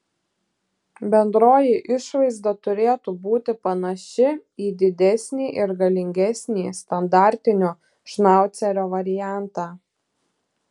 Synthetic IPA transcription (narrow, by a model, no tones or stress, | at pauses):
bʲɛnd̪ɾoːjiʔɪʃʋɐɪzd̪ɐt̪ʊɾʲeːt̪uːbuːt̪ʲɪpɐnɐʃʲɪiːd̪ʲɪd̪ʲɛsʲnʲiːʔɪɾɡɐlʲɪŋʲɡʲɛsʲnʲiːst̪ɐnd̪ɑˑɾʲt̪ʲɪnʲoː | ʃnɑˑʊt̪sʲɛɾʲoːʋɐɾʲɪjæˑnt̪ɑː